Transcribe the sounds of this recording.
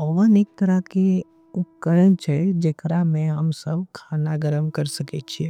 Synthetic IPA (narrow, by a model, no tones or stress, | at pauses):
pəʋəneːk̚t̪ɐɾake | ʊp̚kəɾənt͡ʃɛd͡ʒeːkɾamɛ̃ɦəmsəb̚kʰaːnaɡəɾəmkɐɾsɐket͡ʃʰie